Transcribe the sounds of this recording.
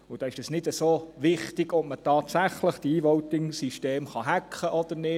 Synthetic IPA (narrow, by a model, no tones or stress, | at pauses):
ʊd̥ɑːɪʃd̥ɑsnɪdəsoːʋɪχtɪɡɔp̚mətɑːtsæχləχd̥iiːʋɔwtɪŋsiʃteːmχɑɦækʰχəʔɔd̥̪ənɪ